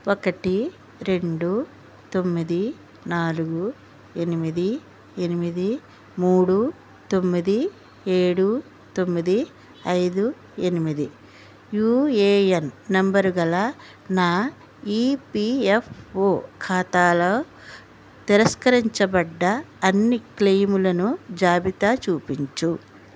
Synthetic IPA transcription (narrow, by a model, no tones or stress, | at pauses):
okɐʈi | ɾe̞ɳɖu | t̪o̞mːid̪i | naːluɡu | enimid̪i | enimid̪i | muːɽu | t̪o̞mːid̪i | eːɽu | t̪o̞mːid̪i | ɐjd̪u | enimid̪i | juːeːɐnːɐmbɐɾuɡɐla | naː | iːpiepoːkʰaːt̪aːloː | t̪iɾɐskɐɾiɲt͡ʃɐbɐɖːɐːnːiklejmulɐnud͡ʒaːbit̪at͡ʃuːpiɲt͡ʃu